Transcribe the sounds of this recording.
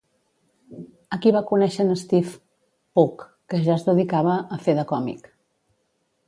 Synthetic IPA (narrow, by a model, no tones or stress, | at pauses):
əkiβakunɛʃənəst̪if | pukː | əʒazðəðikaβəːfeðəkɔmḭk